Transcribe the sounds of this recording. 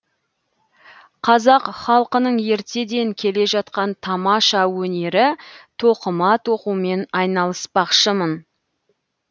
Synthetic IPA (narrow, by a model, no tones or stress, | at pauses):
qʰɑzɑqχɑlˠqənəɴe̞ɾt̪e̞d̪e̞ŋkʲʰe̞le̞ʒɑt̪qɑnt̪ʰɑmɑʃɑwɵne̞ɾɪt̪ʰoqəmɑt̪ʰo̞qume̞nɑjnɑlˠəspɑqʃəmən